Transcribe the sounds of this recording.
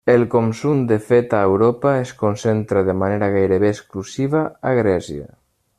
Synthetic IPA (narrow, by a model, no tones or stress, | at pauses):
elkomsumd̪efet̪aewɾopaeskonsent̪ɾaðemaneɾaɣ̞ajɾeβeːsklusiβaaɣɾɛsja̰